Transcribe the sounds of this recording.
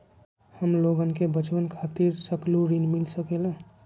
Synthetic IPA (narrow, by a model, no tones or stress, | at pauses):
həmloɡənkebət͡ʃbənkʰat̪iɾsəkluɾinmilsəkela